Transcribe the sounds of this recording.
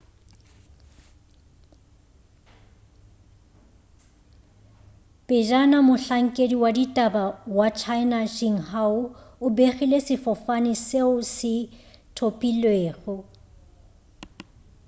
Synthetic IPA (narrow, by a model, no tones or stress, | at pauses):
pʼɪd͡ʒanamʊɬaŋ̩kʼediwaditʼabawat͡ʃʰaɪnaʃiŋ̩haʊʊbeχilesɪfɔfaniseʊsɪtʰopʼilweːɣʊ